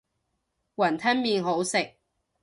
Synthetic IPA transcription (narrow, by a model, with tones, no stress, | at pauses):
wɐ˨˩nt̪ʰɐ˥nmiː˨nɦo˨˥wsɪ˨k̚